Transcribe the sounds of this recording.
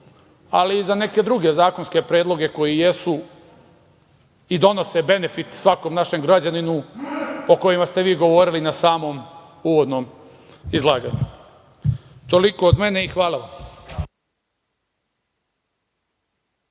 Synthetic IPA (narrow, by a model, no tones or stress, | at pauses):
aliːzane̞ke̞d̪ɾuɡe̞zaːkonske̞pɾeːd̪lˠo̞ɡe̞ko̞jije̞su | id̪o̞no̞se̞be̞ne̞fit̪sʋako̞mnaʃe̞mɡɾad͡ʑaninu | o̞ko̞jimast̪e̞ʋiːɡo̞ʋo̞ɾilinasaːmo̞m | uʋo̞d̪no̞m | izlˠaːɡa̰ɲu | t̪o̞liko̞ːd̪me̞ne̞ixʋaːlˠaʋam